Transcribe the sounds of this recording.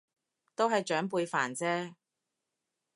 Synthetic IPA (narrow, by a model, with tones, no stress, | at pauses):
t̪o˥wɦɐ˨jt͡ʃœː˨˥ŋpuː˧jfaː˨˩nt͡sɛː˥